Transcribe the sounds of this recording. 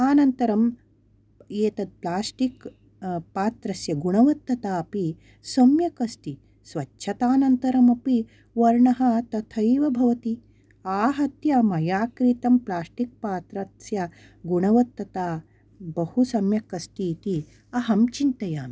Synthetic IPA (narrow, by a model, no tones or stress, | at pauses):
aːnɐnt̪ɐɾɐm | eːt̪ɐd̪̚plaːsʈik | paːt̪ɾɐsjɐɡuɳɐʋɐt̪ːɐt̪aːɐpi | sɐmjɐkɐst̪i | sʋɐtːʃʰɐt̪aːnɐnt̪ɐɾɐmɐpi | ʋɐɾɳɐɦɐt̪ɐt̪ʰɐjʋɐbʱɐʋɐt̪i | aːɦɐt̪jɐmɐjaːkɾit̪ɐmplaːsʈik̚paːt̪ɾɐsjɐ | ɡuɳɐʋɐt̪ːɐt̪aː | bɐhusɐmjɐkɐsʈ̪it̪i | ɐɦɐmt͡ʃint̪ɐjaːm